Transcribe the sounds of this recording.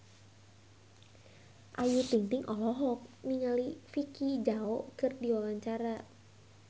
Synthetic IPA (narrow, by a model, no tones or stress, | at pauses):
ʔajut̪iŋt̪iŋʔɔlɔɦɔk̚niŋalifikid͡ʒaɔkɨrdiwawaɲt͡ʃaɾa